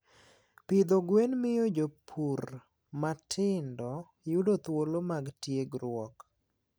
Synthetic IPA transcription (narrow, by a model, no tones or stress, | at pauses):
pɪd̪oɡwenmɪjod͡ʒopʰur | matʰɪndɔ | judot̪wolomaɡtjeɡɾwɔk